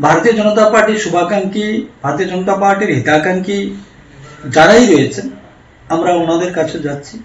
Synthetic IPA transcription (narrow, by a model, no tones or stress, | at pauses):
bʱaɾot̪ijod͡ʑɔnot̪apaɾʈiɾʃubʱakaŋkibʱaɾot̪ijod͡ʑɔnot̪apaɾʈiɾɦit̪akaŋki | d͡ʑaɾajɾojet͡ɕʰen | amɾaonad̪eɾkat͡ɕʰed͡ʑatːɕʰi